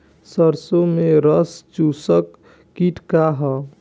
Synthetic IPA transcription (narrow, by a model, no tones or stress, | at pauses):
səɾsomeɾəst͡ʃusəkː | iʈʰkaɦə